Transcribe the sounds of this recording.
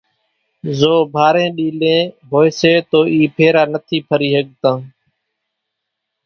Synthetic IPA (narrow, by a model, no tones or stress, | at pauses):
zoːbʱaːɾẽːɗiːlẽːbʱoːɪseːt̪oːʔiːpʰeːɾaːnət̪ʰiːpʰəɾiːɦəɠt̪ãː